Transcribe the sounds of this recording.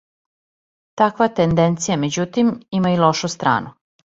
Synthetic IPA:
t̪akʋat̪end̪ent̪sijame̞d͡ʑut̪imimailoʃust̪ɾa̰ːnʔu

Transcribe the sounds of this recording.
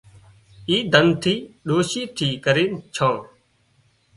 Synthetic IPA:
iːd̪ʱənt̪ʰiːɗoːʃiːt̪ʰiːkəɾiːnt͡ʃʰãː

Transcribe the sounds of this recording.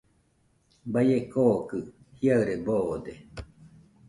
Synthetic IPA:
bajekoːkɯ | hiaɨɾebod̪e

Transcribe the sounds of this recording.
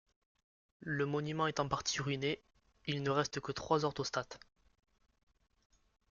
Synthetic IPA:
ləmɔnymɑ̃ɛt̪ɑ̃paʁt̪ʰiʁyne | ilnəʁɛst̪əkət̪χwazɔʁt̪ost̪at̪

